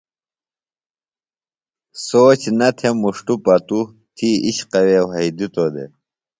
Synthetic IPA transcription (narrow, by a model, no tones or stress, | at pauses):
soːt͡ɕnɐt̪ʰemuʂʈupɐt̪u | t̪ʰiiɕqɐwewɦɐid̪it̪od̪ḛ